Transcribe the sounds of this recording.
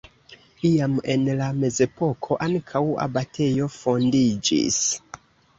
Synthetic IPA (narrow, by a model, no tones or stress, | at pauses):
iame̞nlame̞ze̞po̞kʰo̞ʔaŋkʰawa̰batʰe̞jo̞fo̞ndid͡ʒḭs